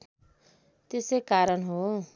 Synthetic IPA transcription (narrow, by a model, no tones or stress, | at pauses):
t̪esejkaɾʌnɦo